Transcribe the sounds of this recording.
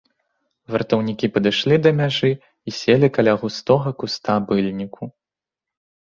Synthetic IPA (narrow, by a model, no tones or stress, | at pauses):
vɐrt̪ɐwnʲikʲipɐd̪ɨʂlʲid̪ɐmʲaʐɨ | isʲelʲikalʲaɣust̪ɔɣɐkust̪abɨlʲnʲikʰu